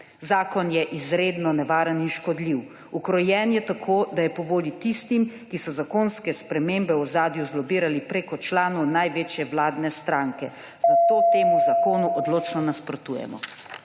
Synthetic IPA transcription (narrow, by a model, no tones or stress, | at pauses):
zaːkɔnjɛʔizɾeːd̪nɔnɛʋaːɾəninʃkɔd̪liw | ukɾɔjɛnjɛt̪akʰoːd̪ajɛpɔʋoːlit̪ist̪im | kisɔzakoːnskɛspɾɛmeːmbɛɔzaːd̪juzlɔbiːɾalipɾeːkɔt͡ʃlaːnɔnajʋeːt͡ʃjɛʋlaːd̪nɛst̪ɾaːŋkɛ | z̥at̪ot̪eːmuzakoːnuʔɔd̪loːt͡ʃnɔnaspɾɔt̪uːjɛ̰mɔ̰